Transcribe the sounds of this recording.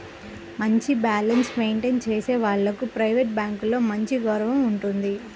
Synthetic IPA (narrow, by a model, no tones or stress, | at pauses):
mɐɲt͡ʃibaːlɐnsmejɳʈeːnt͡ʃe̞ːse̞ːʋaːɭːɐkupɾɐjʋeʈ̚baːŋkulo̞ːmɐɲt͡ʃiɡoːɾɐʋɐmuɳʈund̪i